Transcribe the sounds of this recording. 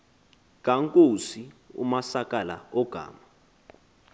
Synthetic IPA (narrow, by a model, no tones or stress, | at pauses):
k̬ʼaŋkʼosiṵmasakʼala̰ɔɡ̥ʱa̰ːma